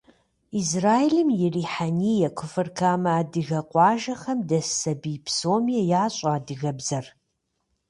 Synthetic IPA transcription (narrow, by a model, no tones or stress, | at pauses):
izraːjelɨmjɪriːħanijɐkʷʰʊfɨrkʰaːmɐaːdɨɣɐqʷʼɑːʒɐχɐmdɐsɐbipʰsoːmijɐjaːɕʼaaːdɨɣɐbzɐr